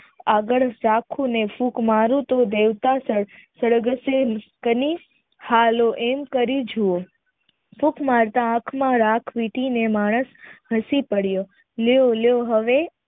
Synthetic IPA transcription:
aɡəɭɾakʰũnefukmaɾũt̪od̪eʋt̪asəɽsəɽɡəsenkəni | haloʔemkəɾid͡ʒʱuo | fukmaɾt̪ããkʰmãɾakʰʋiʈinemaɽ̃əsɦəsipəɽjo | leoljoɦəʋe

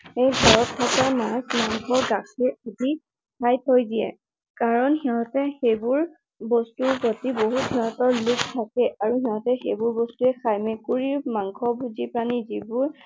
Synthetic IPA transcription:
ejɡʱɔɹɔtʰːakamãsmaŋkʰɔɡakʰiadi | kʰajtʰojdiɛ̰ | kaɹɔnɦɛɦɔtɛxejbʊɹ | bɔstuɡɔtiboɦutɛɔtɔɹluktʰakɛʔaɹuɦɛɦɔ̃tɛxejbʊɹbɔstuɛkʰajmekuɹimaŋkʰɔbuzipɹanizibʊɹ

